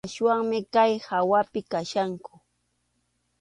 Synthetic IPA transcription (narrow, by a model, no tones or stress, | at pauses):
ʃwaŋmɪkajhawapɪkaʃaŋkʊ̥